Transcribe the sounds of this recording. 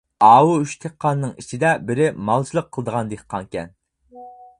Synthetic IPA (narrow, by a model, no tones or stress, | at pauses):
ɑːwuyʃt̪ʰeqʰːɑnːɨŋit͡ʃʰid̪ɛbɪɾɪmɑlˠt͡ʃʰilˠəqʰːəlˠəd̪əʁɑnd̪eqʰːɑŋkʲɛ̰n